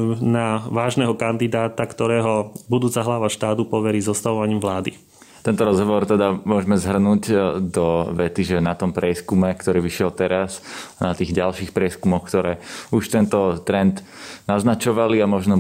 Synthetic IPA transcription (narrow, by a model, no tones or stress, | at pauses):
naʋaːʒnɛːɦɔkand̪id̪aːt̪akt̪ɔɾɛːɦɔbud̪uːt͡saɦlaʋaʃt̪aːt̪upɔʋɛɾiːzɔst̪aʋɔʋaɲiːmʋlaːd̪ḭ | t̪ɛnt̪ɔɾɔzɦɔʋɔɾt̪ɛd̪amʊɔʒɛmɛzɦr̩nuːɟd̪ɔʋɛt̪iʒɛnat̪ɔmpɾɪɛskumɛkt̪ɔɾiːʋiʃɪɛlt̪ɛɾasnat̪iːɣɟalʃiːxpɾɪɛskumɔxkt̪ɔɾɛːuʃt̪ɛnt̪ɔt̪ɾɛnd̪ | naznat͡ʃɔʋaliamɔʒnɔ